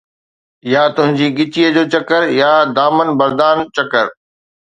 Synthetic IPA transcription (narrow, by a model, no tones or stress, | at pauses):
jat̪ʊɦɪ̃ɲd͡ʑiːɠɪt͡ɕiːəd͡ʑoːt͡ɕɐkəɾjad̪aːmənbɐɾd̪aːnt͡ɕɐkəɾ